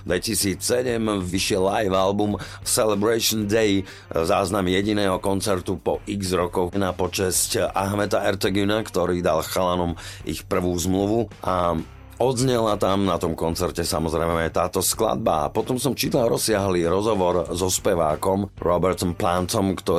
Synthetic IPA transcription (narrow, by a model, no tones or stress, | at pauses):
d̪ʋɛcisiːt͡ssɛɟɛmʋiʃɪɛlːajʋalbumsɛlɛbɾaʃɔnd̪ɛj | zaːznamjɛɟinɛːɦɔkɔnt͡sɛɾt̪upɔʔiɡzɾɔkɔnapɔt͡ʃɛscaɦmɛt̪aɛɾt̪ɛɡynakt̪ɔɾiːd̪alxalanɔmʔixpr̩ʋuːzmluʋuʔa | ɔd̪zɲɛlat̪amnat̪ɔmkɔnt͡sɛɾcɛsamɔzɾɛmɛt̪aːt̪ɔskla̰d̪̚ba̰a̰pɔt̪ɔmsɔmt͡ʃit̪laɾɔsɪaɦliːɾɔzɦɔʋɔɾzɔspɛʋa̰ːkɔmɾɔbɛɾt̪ɔmplant̪ɔmkt̪ɔ